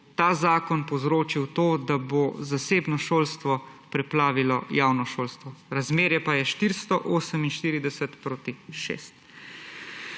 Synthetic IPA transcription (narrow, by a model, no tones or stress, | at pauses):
t̪aːzaːkɔnpɔwzɾoːt͡ʃiwt̪oːd̪abozaseːbnɔʃoːlst̪ʋɔpɾɛplaːʋilɔjaːwnɔʃoːlst̪ʋɔɾazmeːɾjɛpajɛʃt̪iɾst̪ɔʔoːsəminʃt̪iːɾid̪ɛsɛt̪pɾoːt̪iʃḛːst̪̚